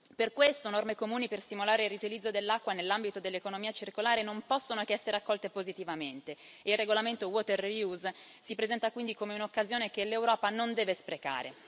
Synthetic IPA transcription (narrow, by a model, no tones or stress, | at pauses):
perkwest̪onormekomuːniperst̪imolaːɾeilriut̪ilid̪zːod̪elːakːwanelːambit̪od̪elːekonomiːat͡ʃirkolaːɾenompɔsːonokɛsːeɾeakːɔlt̪epozit̪ivament̪e | eilreɡolament̪owɔt̪erjuz | sipɾezɛnt̪akwind̪ikomeunokːazjoːnek̟elːewɾɔːpanond̪ɛːvespɾeka̰ːɾḛ